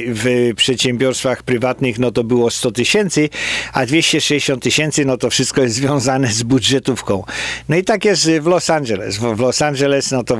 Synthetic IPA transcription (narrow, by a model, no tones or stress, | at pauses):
vpʂɛt̪ɕɛ̃mbʲjɔɾst̪faxpɾɘvat̪nɘxnɔt̪ɔbɘwɔst̪ɔt̪ɘɕɛnt̪sɘad̪vʲjeɕt͡ɕɛʂɛjɛɕɔ̃nt̪ːɘɕɛnt̪sɨnɔt̪ɔfʂɘst̪̚kɔjɛszvʲjɔ̃w̃zanɛzbudʐɛt̪ufkɔ̃w̃nɔit̪akjɛst̪vlɔsand͡ʒɛlɛ̰svlɔsanʐɛlɛsnɔt̪ɔ